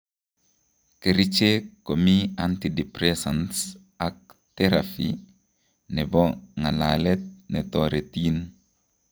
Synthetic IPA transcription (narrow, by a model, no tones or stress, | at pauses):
keɾit͡ʃekomiantidipɾesans | ak̚ | tɛɾafi | nɛbɔŋala̰lɛt̪̚nɛtɔɾetin